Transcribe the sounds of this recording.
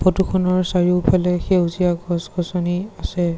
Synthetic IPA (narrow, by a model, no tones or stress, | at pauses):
pɔtukʰɔnɔɹsaɹipʰalɛxewziaɡʱɔsɡɔsɔniasɛ